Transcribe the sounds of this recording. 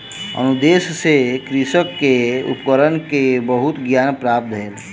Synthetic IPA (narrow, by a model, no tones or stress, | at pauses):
ə̰nud̪eːssekɾɪʃəkːeṵpkəɾənkebəɦʊt̪ɡjaːnpɾaːp̚t̪ɦeːl